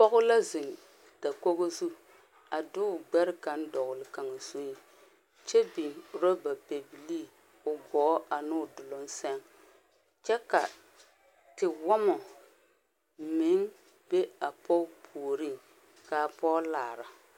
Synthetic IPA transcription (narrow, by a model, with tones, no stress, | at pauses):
pɔ˦ɣʊ˦la˦zɪ˨ŋ | ta˨ko˦ɣo˦zu˦ | a˨dʊ˦˨ɡ͡bɛ˦ɾɪ˦ka˨˦n˦dɔ˨ɣʊ˨lɪ˨ka˨ŋa˨so˦i˨ | t͡ʃɛ˦bi˨ŋ˨ɾo˦ba˨pe˨bi˨liː˦ | ʊ˨ɡɔ˨˦ʔa˨nʊ˦˨dʊ˨lɔ˦n˦sɛ˦ŋ | t͡ʃɛ˦ka̰˨ | tɪ˨wɔ˦mɔ˨ | mɪ˨˦ŋ | be˦a˨pɔ˦pʰuː˨ɾi˦˨ŋ | ka˨pɔː˦laː˨ɾa˨